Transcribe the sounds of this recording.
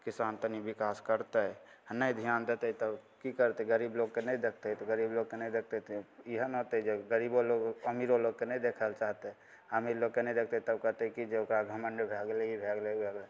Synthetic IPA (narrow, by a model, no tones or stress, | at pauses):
kɪsant̪ənibɪkaːskəɾt̪enəid̪ʱijand̪et̪eɦit̪əbkikəɾt̪eɡəɾiːbloɡkenəĩd̪ekʰt̪eit̪oɡəɾiːbloɡ̚kenəĩd̪ek̚ʰt̪et̪iɦənɦot̪eid͡ʒeɡəɾiboloɡəmiɾoloɡ̚kenəĩd̪ekʰəlt͡ʃaɦt̪e | əmiɾloɡ̚kenə̃ĩd̪ek̚ʰt̪eit̪əb̚kəɾt̪eikid͡ʒeokɾaɡʱəməɳɖbʱeɡleibʱeɡlebʱeɡle